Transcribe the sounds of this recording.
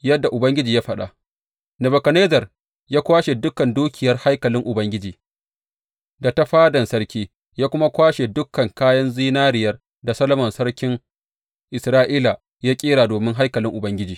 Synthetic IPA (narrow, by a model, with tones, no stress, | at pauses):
jɐ˦dːa˨ʔʊ˨bɐ˦ŋɡʲɪ˦d͡ʒiː˨ja˦ɸɐ˦˨ɗa̰˨ | nɐ˨bɐ˨kɐ˨neː˦zɐ˨r | jaː˦kʷaː˦ʃe˨dʊ˦kɐ˨nduː˦kʲʰɪ˨jɐ˦rha˦jkɐ˨lɪ˦ŋʔʊ˨bɐ˦ŋɡʲɪ˦d͡ʒiː˨ | da˨ta˦ɸaː˦dɐ˨nsɐ˦rkʲiː˦ | jaː˦kʷʊ˦ma˦kʷaː˦ʃe˨dʊ˦kːɐ˨ŋkaː˦jɐ˦nziː˦naː˦ɾɪ˨jɐ˦r | da˨sɐ˦lɐ˦mɐ˨nsɐ˦rkʲɪ˦ŋ | ʔɪ˨sɾaː˦ʔiː˦la˨ | jaː˦kʲʼiː˦ɾaː˨doː˨mɪ˦ŋɦa˦jkɐ˨lɪ˦ŋʔʊ˨bɐ˦ŋɡʲɪ˦d͡ʒiː˨